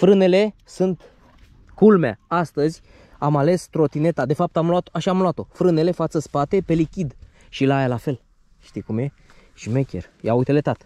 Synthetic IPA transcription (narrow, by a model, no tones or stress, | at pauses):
fɾɨne̞le̞sunt̪ | kulma̰ast̪əzʲ | amale̞st̪ɾo̞t̪ine̞t̪ad̪e̞fap̚t̪amloat̪oaʃaːmlowat̪o̞fɾɨne̞le̞fat̪səspat̪e̞pe̞likʲid̪ | ʃilaajalafe̞l | ʃt̪ijkumje̞ | ʃimekʲḛrja̰ujt̪ele̞t̪at̪